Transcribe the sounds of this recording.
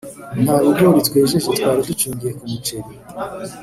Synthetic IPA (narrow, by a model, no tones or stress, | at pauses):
n̥aɾubɡoɾit͡skweʒezetkwaːɾidut͡ʃiːŋɡijekumut͡ʃeɾi